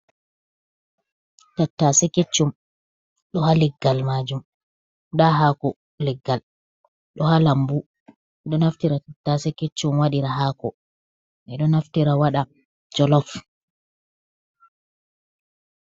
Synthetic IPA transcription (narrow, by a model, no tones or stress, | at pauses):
tatːaːsɛket͡ʃːum | ɗɔɦalɛɡːalmad͡ʒum | ɗaɦakɔ | lɛɡːal | ɗɔhalambu | ɛɗɔnaftiɾatatːasɛket͡ʃːumwaɗiɾaɦaːkɔ | ʔɛɗɔnaftiɾawaɗa | d͡ʒɔlɔf